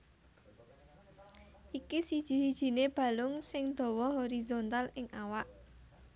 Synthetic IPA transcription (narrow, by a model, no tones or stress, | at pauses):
ʔikisid̥ʒ̥i̤sid̥ʒ̥i̤neb̥ä̤lʊŋsɪŋd̪̥ɔ̤wɔɦoɾizont̪alɪŋʔawaʔ